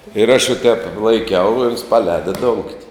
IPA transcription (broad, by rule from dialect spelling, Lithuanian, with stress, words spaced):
ɪr ɐʃ ʋɐ ˈtʲɛːp lˠɐɪˈkʲɛʊ ɪ oːns pɐˈlʲɛːdɐ doːŋktʲ